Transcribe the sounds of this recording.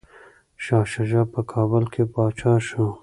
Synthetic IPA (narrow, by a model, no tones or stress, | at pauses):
ʃɑːʃaʒɑpəkʰɑːbəlkʰepɑːt͡ʃɑːʃu